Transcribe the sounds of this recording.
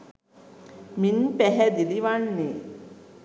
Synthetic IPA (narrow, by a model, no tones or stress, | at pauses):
minpæɦæd̪iliʋanːe